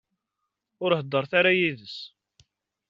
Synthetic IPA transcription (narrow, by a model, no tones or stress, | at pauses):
ʊɾhəd̪ːəɾˤθaɾajiðəs